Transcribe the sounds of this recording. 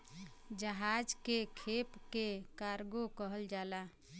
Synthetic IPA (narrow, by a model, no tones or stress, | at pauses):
d͡ʒəɦad͡ʒkekʰepkekaɾɡokəɦəld͡ʒala